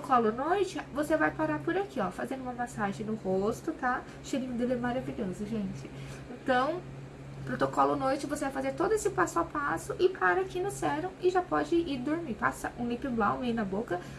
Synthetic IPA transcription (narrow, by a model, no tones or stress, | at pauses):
tokɔlʊnojt͡ʃɪvosevajpaɾaɾpʊɾakʰiɔfazẽnd̪ʊũmɐmasaʒẽj̃nʊhost̪ʊt̪a | ʃeɾĩnʊd̪ed̪emaɾaviʎɔzɐʒẽnt͡ʃɪ | ẽnt̪ɐ̃w̃ | pɾot̪okɔlʊnojt͡ʃɪvosevajfazeɾt̪od̪ʊesɪpasʊawpasʊʔɪpʰaɾɐakinʊsɛɾɐ̃w̃ɪʒapɔd͡ʒɪiɾd̪oɾmiɾpa̰sɐʔũlipɪblãw̃enɐbokɐ